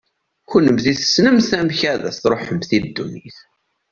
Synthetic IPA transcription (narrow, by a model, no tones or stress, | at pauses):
çunəmðiθə̥snəmθæmçæðæ̰θθɾˤoħəmθid̪ːuniθ